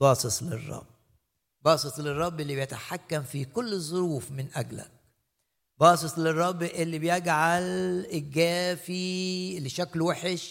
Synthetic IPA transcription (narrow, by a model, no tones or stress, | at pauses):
bɑːsˤɨt̪ˤlɪ̰rˤːɑ̰bː | bɑːsˤɨt̪ˤlɪrˤːɑbːʔɪlːibjat̪aħakːamfikʊlːzˤːʊɾuːfmɪnʔaɡlæ̰k̚ | bɑːsˤɨt̪ˤlɨrˤːɑbːʔɪlːibjɪɡʕalɪɡæːfilʃaklwaħɪʃ